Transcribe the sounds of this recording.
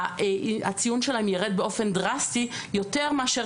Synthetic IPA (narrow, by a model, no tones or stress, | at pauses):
a̰t͡sijunʃelaemjeʁed̪̚beo̞fe̞ndʁasti | jo̞t̪eʁmeaʃe